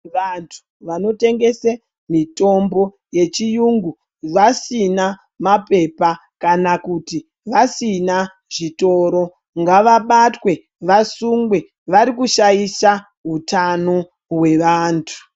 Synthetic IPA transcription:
ʋantʰu̥ | ʋano̞te̞ŋɡe̞se | mito̞mbo̞ | je̞t͡ʃijuŋɡu | ʋasina | mape̞pa | kanakuti | ʋasina | ʐito̞ːɾo̞ | ŋɡaʋaɓatwe̞ | ʋasuŋɡwe̞ | ʋaɾikuʃajisa | ɦutano̞ | we̞ʋaːntʰu̥

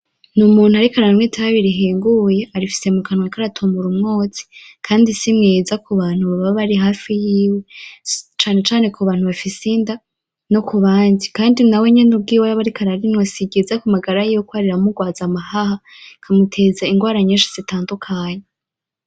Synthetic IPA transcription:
numuːn̥huaɾikaɾanwitʰaɾaβiɾiɦeːŋɡuje̞ʔaɾifi̥se̞mukanwakaɾatʰomuɾumŋo̞ːt͡si̥kʰaːndisimŋeːzakuβaːn̥huβaβaβoβaɾiɦaːfijiːwe | t͡ʃaːne̞t͡ʃaːne̞kʰuβaːn̥huβafisinda | no̞kuβaːndikaːndinaweɲenub̚ɡiːwaɾaβaɾikʰaɾaɾinwasiɡezakumaɡaɾajijokwaɾiɾamuɡwaːzamahaha | kʰamutʰe̞zaiŋɡwaːɾaɲeːʃi̥z̥itaːndukʰaːɲe

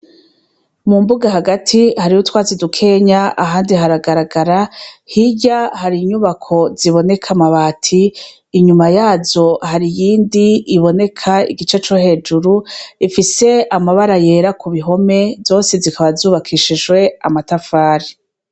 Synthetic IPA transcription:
mumbuɡaɦaɡatʰihaɾihutwaːzidukʰe̞ɲaaɦaːndiɦaɾaɡaɾaɡaɾahiɟahaɾiɲuβakʰo̞ziβo̞ne̞kʰamaβaːtʰiː | ɲumajaːzo̞haɾijiːndiiβo̞ne̞kʰaḭɡit͡ʃe̞t͡ʃo̞he̞ːd͡ʒuɾuifise̞amaβaɾaje̞ːɾakuβiɦo̞me̞vzo̞ːse̞zikʰaβazuːβakʰiʃiʒɡwe̞a̰matafaːɾi

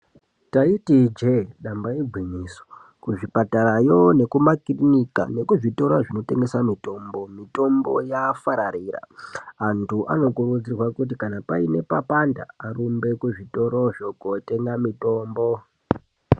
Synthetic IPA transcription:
taitid͡ʒeɗambaiɡʱwiniːso̥ | kuʐipatarajo̞ne̞kumakrinika̰ne̞kuʐito̞ɾaʐino̞te̞ŋɡe̞samito̞mbo̞mito̞mbo̞jafaɾaɾiːra̰antʰuʔa̰no̞kurud͡zirwakut̬ikanapaine̞papanda̰ːrumbe̞kuʐito̞ɾo̞ʐoɡote̞ŋɡamito̞ːmbo

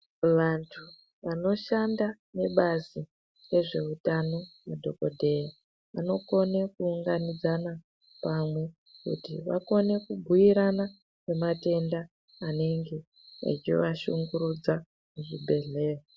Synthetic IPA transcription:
ʋantʰu | ʋano̞ʃanda | ne̞ɓazi | re̞ʐe̞utano̞mudʱo̞ko̞dʱe̞ja | ʋano̞ko̞ne̞kuːŋɡanid͡zana | pamwe̞ | kṵtḭʋa̰ko̞ne̞kuɡʱujiɾana | pe̞mate̞ndaː | ne̞ŋɡe̞ | ḛt͡ʃiʋaʃuŋɡuɾud͡za | muʐibʱe̞ɮe̞ːro

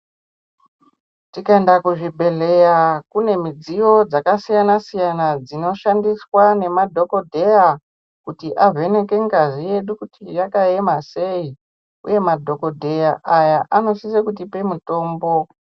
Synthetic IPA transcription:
tikaendakuʐibʱe̞ɮe̞jakune̞mid͡zijo̞d͡zakasijanasijanad͡zino̞ʃandiswane̞madʱo̞ko̞dʱe̞ja | kutiʔave̞ne̞ke̞ŋɡazije̞ɗukutijakae̞mase̞i | ṵje̞madʱo̞ko̞dʱe̞jaʔajaʔano̞sisekut̬ipe̞muto̞ːmbo̞

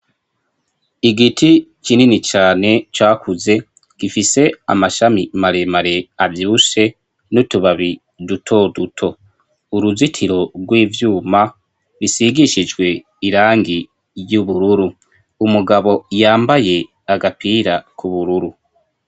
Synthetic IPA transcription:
iɡitʰikininit͡ʃaːne̞t͡ʃwaːkʰuze̞ | ɡ̥ifise̞a̰maʃamimaɾe̞maɾe̞avjiuʃe̞ | nutuβaβi | dutʰo̞dutʰo̞ | uɾuzitʰiɾo̞ɡwiːvjuːma | βisiɡiʃid͡ʒɡwe̞ | iɾaːŋɡi | juβuɾuɾu | umuɡaβo̞jaːmbaje̞ | aɡapʰiːɾakʰuβuɾuɾu

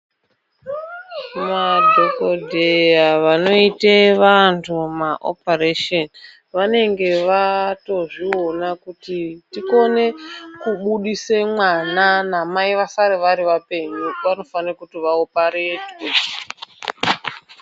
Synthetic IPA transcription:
madʱokodʱejaʋano̞iteʋantʰumaʔo̰pareʃon | ʋane̞ŋɡe̞ʋato̞ʐio̞nakutitiko̞ne̞kuɓuɗisemwananamaiʋasaɾeʋaɾiʋape̞ɲuʋano̞fanirakutiʋaopaɾetwe

